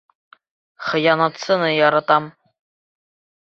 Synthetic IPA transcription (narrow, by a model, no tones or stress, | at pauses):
χɤ̆jɑnɑt̪sɤ̆nɤjɑɾɑt̪ɑm